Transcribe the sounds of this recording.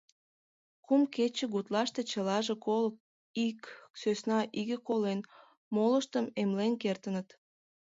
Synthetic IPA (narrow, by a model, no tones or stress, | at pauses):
kumket͡ɕəɣut̪lɑʃt̪et͡ɕəlɑʒekolək | iksøsnɑʔiɣəkolen | moləʃt̪əmemlenkert̪ənət̪